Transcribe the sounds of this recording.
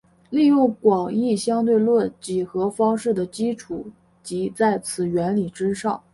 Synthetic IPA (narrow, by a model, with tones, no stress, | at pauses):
li˥˧jʊ˥˩ŋkwɑ˨˩ŋi˥˩ɕjɑ˥ŋt̪we˥˧ɪlwɔ˥˩nt͡ɕi˨˩xɤ˧˥fɑ˥ŋʂɻ̩˥˩d̪ə˩t͡ɕi˥ʈ͡ʂʰu˨˩˦ | t͡ɕi˧˥t͡sa˥˩ɪt͡sʰɹ̩˨˩ɥɛ˧˥nli˨˩ʈ͡ʂɻ̩˥ʂɑ˥˩ŋ